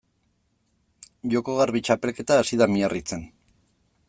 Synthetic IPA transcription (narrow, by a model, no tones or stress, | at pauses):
ʝo̞ko̞ɣarβit͡ʃape̞lke̞t̪aːsiðamiarit͡se̞n